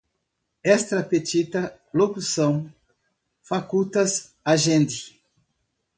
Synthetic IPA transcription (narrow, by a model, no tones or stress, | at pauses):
ɛst̪ɾɐpet͡ʃ̪it̪ɐ | lokusɐ̃w̃ | fakut̪ɐs | aʒẽnd̪ɪ